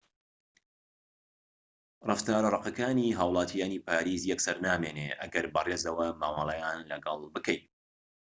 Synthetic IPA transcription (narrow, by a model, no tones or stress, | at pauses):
rʔɨ̰ft̪aːɾɐrˤɑqɐkaːniːɦaːwlˠɑːt̪ʰijaːniːpʰaːɾiːzjɛksɐɾnaːmeːnḛʔɐ̰ɡɐɾbɨreːzɐwɐmaːmɑlˠɐjaːnlɐɡɑlˠbɨkɐj